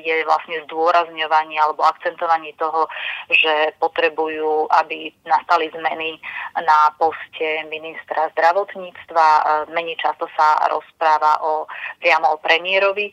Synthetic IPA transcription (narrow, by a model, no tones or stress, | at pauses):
jɛʋla̰sɲɛzd̪ʊɔɾazɲɔʋaɲɪalɛbɔakt͡sɛnt̪ɔʋaɲɪiɛt̪ɔɦɔʒɛpɔt̪ɾɛbujuːʔabinast̪alizmɛninapɔscɛminist̪ɾazd̪ɾaʋɔt̪ɲiːt͡st̪ʋamɛɲɛt͡ʃast̪ɔsaɾɔ̰spɾaːʋa̰ʔɔpɾɪamɔɔpɾɛmiɪɛɾɔʋi